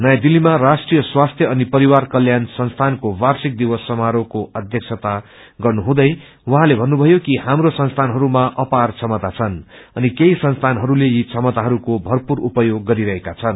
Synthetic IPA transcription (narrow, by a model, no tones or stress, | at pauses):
nʌjad̪ilːimarasʈrijʌswast̪ʰjʌʌnipʌɾiwarkʌljansʌnst̪ʰankowarsik̚d̪iwʌsːʌmaɾokoʔʌd̪ʱjʌk̚t͡sʰʌt̪a | ɡʌrnuɦũd̪ʌj | wʌɦãlebʱʌnːubʱʌjokihamrosʌnst̪ʰanɦʌɾumaʔʌpart͡sʰʌmʌt̪at͡sʰʌnʌnikeisʌnst̪ʰanɦʌɾulejit͡sʰʌmʌt̪aɦʌɾukobʱʌrpuɾupʌjoɡːʌɾiɾʌɦekat͡sʰʌn